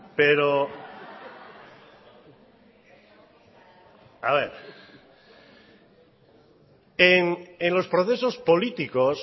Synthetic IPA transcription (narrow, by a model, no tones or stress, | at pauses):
peɾo | aβeɾ | eŋenlo̞spɾoθe̞so̞spolit̪ikos